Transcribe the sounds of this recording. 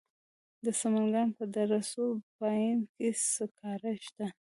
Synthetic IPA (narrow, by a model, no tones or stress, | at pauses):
d̪əsamaŋɡɑnpəd̪aɾasobɑjinkesəkʰɑɾaʃt̪a